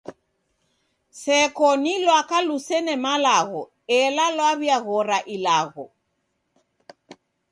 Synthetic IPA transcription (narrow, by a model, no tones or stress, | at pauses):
sɛkɔnilwakalusɛnɛmalaɣɔ | ɛlalwaβjaɣɔɾaʔilaɣɔ